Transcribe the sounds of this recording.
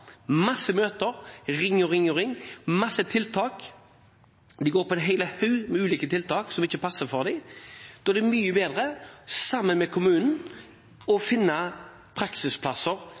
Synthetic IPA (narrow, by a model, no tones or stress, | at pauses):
mɑsːəmøːt̪əɾʁɪŋːɔʁɪŋːɔʁɪŋːmɑsət̪ʰɪlt̪ʰɑːk | d̪ɪɡoːɾpɔɛɦɛɪləhœʉmɛʉːliːkət̪ʰɪlt̪ɑːksɔmɪçːəpʰɑsəfɔʁd̪ɛɪd̪̥ɔd̪ɛmyːəbeːd̪ɾəsɑmːənmɛkʰʊmʉːnn̩ | ɔfɪnːɑ | pʰɾɑksɪspʰlɑsəɾ